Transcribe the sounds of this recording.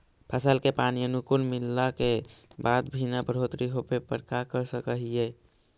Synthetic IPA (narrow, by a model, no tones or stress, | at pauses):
pʰəsəlkepaniənukulmilːakebad̪bʱinapəɾ̤ot̪ɾiɦopepəɾkakəɾsəkəɦije